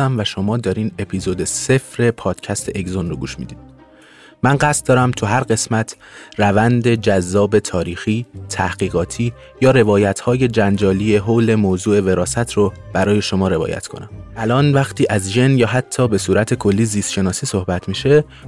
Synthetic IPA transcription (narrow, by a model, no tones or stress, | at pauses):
æmvæʃo̞mɒːd̪ɒːɾiːne̞pʰiːzod̪ese̞fɾe̞pʰɒːd̪̥cʰæst̪ʰe̞ʔeɡzonroɡuːʃmḭd̪iːd̪̥ | mænɢæst̪̚d̪ɒːɾæmt̪ʰuɦæɾɢe̞smæt̪ʰ | rævænd̪e̞d͡ʒæzːɒːbe̞t̪ʰɒːɾiːxiːt̪ʰæhɡ̥iːɣɒːt̪ʰiː | jɒːɾe̞vɒːjæt̪ʰhɒːje̞d͡ʒænd͡ʒɒːliːe̞ɦole̞moːzuːe̞ve̞ɾɒːsæt̪ʰrob̥æɾɒːje̞ʃo̞mɒːɾe̞vɒ̰ːjæ̰t̪kʰo̞̰næmʔælɒːnvæxt̪ʰiːʔæzʒenjɒːɦæt̪ʰːɒːbe̞suːɾæt̪ʰe̞kʰo̞lːiːziːst̪ʃe̞nɒːsiːso̞hbæt̪ʰmiːʃe̞